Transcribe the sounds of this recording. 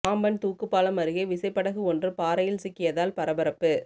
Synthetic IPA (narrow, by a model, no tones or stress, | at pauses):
aːmbɐnt̪uːkːɯpːaːlɐmɐɾɯɣeʋɪsɐɪpːɐɽɐɣɯɔndrɯpaːɾɐjɪlsɪkːɪjɐðaːlpɐɾɐbɐɾɐpːɯ